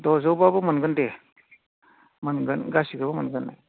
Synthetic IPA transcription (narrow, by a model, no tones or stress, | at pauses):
dɔzɔwbabɔmənɡɯnde | mənɡɯnɡasiɡabəmənɡɯnːa̰